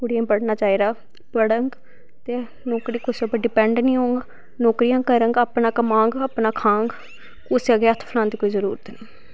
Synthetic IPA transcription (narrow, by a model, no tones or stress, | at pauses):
kʊɽijãːpəɽnaːt͡ʃaːiːɾaː | pəɽəŋɡ | t̪eː | noːkɾiːkʊsaːpəɖɪpɛ̃ːɳɖnĩːɦoːŋɡ | noːkɾijãːkəɾəŋɡaːpnaːkəmãːŋɡaːpnaːkʰãːŋɡ | kʊsaːɡeət̪ʰpʰəlãːnd̪iːkoːiːzəɾuːɾət̪niː